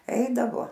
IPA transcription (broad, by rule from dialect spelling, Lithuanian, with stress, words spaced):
ˈɛɪdɐʋoː